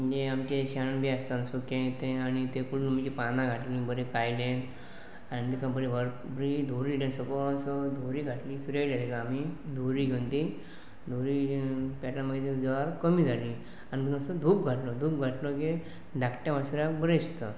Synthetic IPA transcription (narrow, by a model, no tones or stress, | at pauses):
m̤əɲd͡ʑeamt͡ɕeɕaɽənbʱiast̪ansukẽt̪ẽanit̪ẽkuɽunm̤t͡ɕipanãɡʱaʈlĩbəɾẽkajlen | anit̪ikãbəɾiʋəɾ | bɾid̪ʱuɾilẽnsəpɔsɔd̪ʱuɾiːɡʱaʈlifiɾəlelekaamid̪ʱuɾiːɡʱent̪i | d̪ʱuɾipɛʈaməɡet̪ed͡zʋaɾkəmiːd͡zʱali | anit̪nə̃səd̪ʱuːpɡʱaʈlɔd̪ʱuːp̚ɡʱaʈlɔke | d̪ʱakʈjaʋasɾakbəɾest̪ə